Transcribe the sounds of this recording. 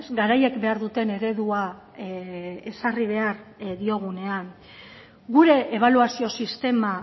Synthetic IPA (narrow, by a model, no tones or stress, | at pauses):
sɡaɾaje̞kbe̞aɾðut̪e̞ne̞ɾe̞ðua | esariβ̞e̞aɾðio̞ɣ̞une̞aŋ | ɡuɾe̞ʔeβ̞aluasio̞sist̪e̞ma